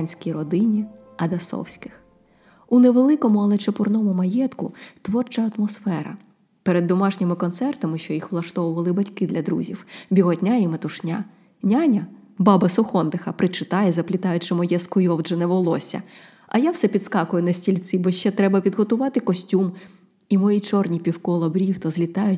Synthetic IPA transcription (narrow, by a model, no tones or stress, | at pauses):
nʲsʲkʲijɾɔd̪ɪnʲi | ɐd̪ɐsɔ̰wsʲkɪ̥x | uneʋelˠɪkɔmʊɐlˠɛt͡ʃɐpʊrnɔmʊmɐjɛt̪kʊt̪ʋɔrt͡ʃɐɐt̪mɔsfɛɾɐ̰ | peɾed̪ːɔmɑʒnʲɪmɪkɔnt̪sɛrt̪ɐmɪʃt͡ʃɔjixʋlˠɐʃt̪ɔʋʊʋɐlˠɪbɐtʲkɪd̪lʲɐd̪ɾṵzʲḭwbʲiɦɔt̪ʲnʲaimɐt̪ʊʃnʲa | nʲanʲɐ | bɑbɐsʊxɔnd̪ɪxɐpɾɪt͡ʃɪt̪ɑjɛzɐplʲɪt̪ɑjʊt͡ʃɪmɔjɛskʊjɔwʒɛnɛʋɔlˠɔsʲɐ̰ | ɐ̰jawsɛpʲid̪skɑkʊjʊnɐsʲtʲilʲt̪sibɔʃt͡ʃɛt̪ɾɛbɐpʲid̪ɦɔt̪ʊʋɑt̪ɪkɔsʲtʲum | imɔjit͡ʃɔrnʲipʲiwkɔlˠɔbɾʲiwt̪ɔzlʲit̪ɑjʊ